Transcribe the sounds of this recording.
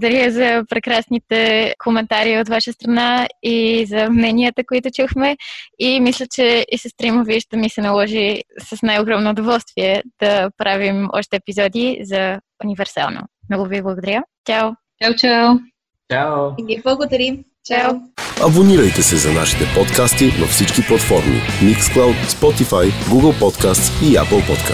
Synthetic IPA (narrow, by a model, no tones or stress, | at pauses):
bˠod̪ɐɾʲjʲəzɐpɾɛkɾasnit̪ɛkʰomɛnt̪aɾiːot̪vaʃəst̪ɾɐnaizɐmnɛniət̪əkoit̪ʊt͡ʃuxmɛimislʲət͡ʃɛisəst̪ɾimoviʃt̪ɛmisɛnɐlˠɔʒisɐsnajoɡɾɔmnoːd̪ovɔlˠst̪viɛd̪̥ɐpɾavimɔ̰ʃt̪ɛːpizɔd̪izɐ | univɛɾsa̰lˠno̰mnɔɡʊviblˠɐɡod̪ɐɾʲjət͡ʃaw | t͡ʃawt͡ʃaw | t͡ʃaniɛblˠɐɡod̪ɐɾim | t͡ʃawɐboniɾɐjt̪ɛsɛzɐna̰ʃi̥t̪ɛpɔt̪kast̪inɐ̰fsit͡ʃkiplˠɐt̪fɔɾmḭmiksklˠawt̪spɔt̪ifajɡuɡəlˠpɔt̪kast̪sia̰pəlˠpɔt̪ka